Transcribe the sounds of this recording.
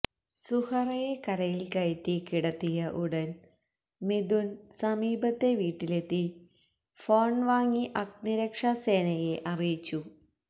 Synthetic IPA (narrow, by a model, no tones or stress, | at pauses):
suhɐrɐje̞kɐɾɐjilkɐjɐtːikiɽɐt̪ːijɐʔuɽɐn | med̪unsɐmiːbɐt̪ːe̞ʋiːʈːile̞t̪ːi | fo̞ːɳʋaːŋːiʔɐkniɾɐkʂase̞ːnɐje̞ʔɐrijit͡ɕːu